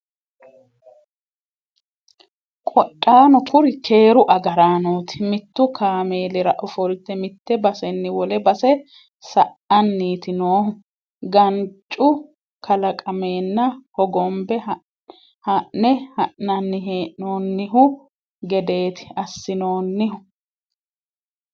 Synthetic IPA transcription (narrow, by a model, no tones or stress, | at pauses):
kʼɔtʼːaːnɔkʰʊɾɪkʰe̞ːɾʊʔɐɡɐɾaːnoːt̪ɪ̥mɪt̪ːʊkʰaːme̞ːlɛɾɐʔɔfɔlt̪ːɛmɪt̪ːɛbɐsɛnːɪwɔlɛbɐsɛ | sɐʔɐnːiːt̪ɪnoː | ɡɐnt͡ʃʼːʊ | kʰɐlɐkʼɐme̞ːnːɐhɔɡɔmbɛ | hɐʔnɛhɐʔnɐnːɪɦeːʔnoːnːɪɦʊ | ɡɛd̪e̞ːt̪ɪ̥ɐsːɪnoːnːɪhʊ